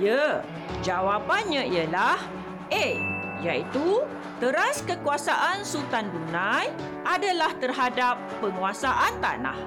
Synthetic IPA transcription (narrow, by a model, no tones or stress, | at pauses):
jə | d͡ʒawapanɲãijəlah | ʔe | jait̪u | t̪əɾaskəkuasaʔansut̪anbunãj | ʔadalaht̪ərɦadapːəŋuasaʔant̪a̰na̰h